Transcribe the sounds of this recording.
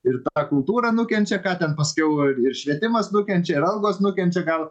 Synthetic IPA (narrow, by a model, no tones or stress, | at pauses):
ɪrt̪ɑkʊlˠt̪uːɾɐnʊkʲɛnʲt͡ʃʲɛkɑːt̪ʲɛnpɐsʲkʲɛʊɪɪrʃʲʋʲiɛt̪ʲɪmɐsnʊkʲɛnʲt͡ʃʲɛɪɾɐlˠɡoːsnʊkʲɛnʲt͡ʃʲɛɡɐlˠ